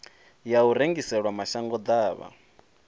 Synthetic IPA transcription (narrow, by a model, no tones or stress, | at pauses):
jauɾeŋɡisɛɺwamaʃaŋɡɔd̪aːβa̰